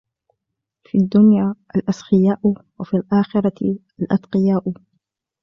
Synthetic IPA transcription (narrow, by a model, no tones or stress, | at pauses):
fid̪ːʊnjaːʔalʔasxɪjaːʔwafilʔaːxɪɾˤɑ | alʔɑ̰t̪qɪjaːʔʊ